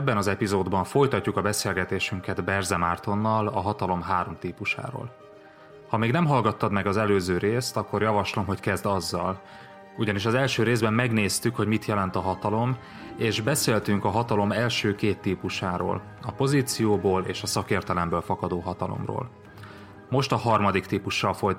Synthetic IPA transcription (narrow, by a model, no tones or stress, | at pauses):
bːɛnɒzɛpizoːd̪bɒɱfo̞jt̪ɒcːukɒbɛseːlɡɛt̪eːʃyŋkɛd̪bɛrzɛmaːrt̪o̞nːɒlɒɦɒt̪ɒlo̞mɦaːɾo̞mt̪iːpuʃa̰ːɾo̰ːl | hɒmeːɡnɛmɦɒlɡɒt̪ːɒd̪mɛɡɒzɛløːzøːɾeːst̪ɒkːo̞rjɒvɒʃlo̞mɦo̞ckɛzd̪ɒzːɒl | uɟɒniʃɒzɛlʃøːɾeːzbɛmːɛɡneːst̪ykho̞ɟmit̪jɛlɛnt̪ɒɦɒt̪ɒlo̞m | eːʒbɛseːlt̪yŋkɒɦɒt̪ɒlo̞mɛlʃøːkeːt̪ːiːpuʃaːɾo̰ːl | ɒpo̞ziːt̪sijoːboːleːʃɒsɒkeːrt̪ɛlɛmbøːlfɒkɒd̪oːɦɒt̪ɒlo̰mro̰ːl | mo̞ʃt̪ɒɦɒrmɒd̪ikt̪iːpuʃːɒlfo̞j